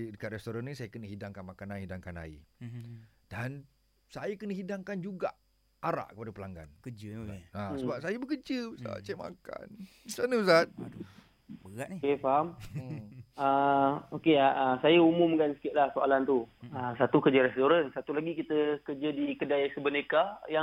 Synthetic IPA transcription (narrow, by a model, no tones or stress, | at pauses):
dəkat̪̚rɛst̪oɾanːĩsajakənəɦidaŋkanmakanãnhidaŋkana̰ḭ | d̥an | sajakənəhidaŋkand͡ʒuɡa̰ʔ | aɾa̰ʔkəpadapəlaŋɡa̰nkəd͡ʒəeasəbap̚sajəbəkəd͡ʒəbəsa̰t͡ʃɛʔma̰ka̰n | sanəbəsat̪̚ | bəɣaʔnikefaɦam | əokeaəsajaumʊmkansə̥kɪt̪̚lahsoalant̪uəsat̪ukərd͡ʒəɾɛst̪oɾansat̪ulaɡikit̪əkəd͡ʒədikədajsəbənekaja